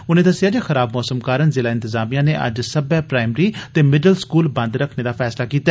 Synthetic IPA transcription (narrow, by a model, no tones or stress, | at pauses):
ʊnẽːd̪əsɪaːd͡ʒaːxəɾaːbmɔːsəmkaːɾənzɪlaːɪ̃nt̪əzaːmijãːneːʔə̰d͡ʒsəbɛːpɾaːɪmɾiːt̪eːmɪɖəlskuːlbə̃nd̪ɾəkʰneːd̪aːfʰɛːslaːkiːt̪a